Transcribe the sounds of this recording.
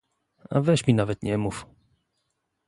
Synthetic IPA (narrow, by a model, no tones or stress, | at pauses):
a̰vɛɕmʲinavɛt̪ɲɛmuf